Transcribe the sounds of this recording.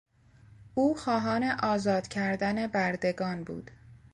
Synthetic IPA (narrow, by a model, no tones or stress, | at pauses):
uːxɒːɦɒːne̞ʔɒːzɒːd̪̥cʰæɾd̪æne̞bæɾd̪e̞ɡɒːnbṵːd̪̥